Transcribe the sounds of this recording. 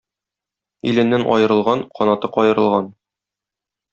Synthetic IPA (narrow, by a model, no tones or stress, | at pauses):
ilɘ̆nːænʔɒ̰jɤ̆ɾɤ̆lˠʁɑnqɒnɑt̪ɤqɒjɤ̆ɾɤ̆lˠʁɑn